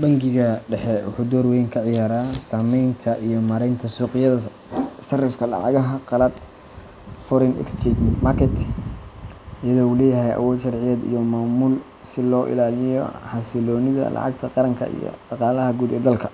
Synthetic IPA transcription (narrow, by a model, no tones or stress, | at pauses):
bɐŋɡɪɣɐɖɛħɛwʊ̰ħuːd̪ɔːrwɛjŋkʰɐʕɪjaːɾaːsaːmɛjnt̪ʰɐʔijɔmɐɾɛjnt̪ʰɐsuːqɪjɐðɐ | sɐrɪfkʰɐlɑ̰ʕɑ̰ɣɐɦɐqɑlɐd̪ | fɔɾɛnɛ̰kst͡ʃɛt͡ʃmakʰɛt̪ | jɐðɔːulɛːjɐɦɛjʔɐ̰wɔːlʃɑɾʕɪjɐd̪ḭjɔmaːmuːl | sɪlɔːʔɪ̰laːlɪjɔħɑsɪlɔːnɪðɐ̰lʔɑ̰ʕɑ̰ɡ̚t̪ʰɐqɑɾɐŋkʰɐ̰ʔḭjɔ̰ɖ̥ɑqɑːlɐɦɐɡuːd̪ɛ̰ːd̪ɐlkʰɐ